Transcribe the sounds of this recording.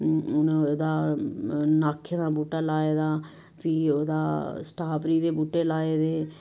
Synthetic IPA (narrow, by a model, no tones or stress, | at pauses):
nːod̪aː | naːkʰːeːd̪aːbuːʈaːlaːeːd̪aː | piːoːd̪a̰ːsʈaːpʰɾiːd̪eːbuːʈeːlaːeːd̪eː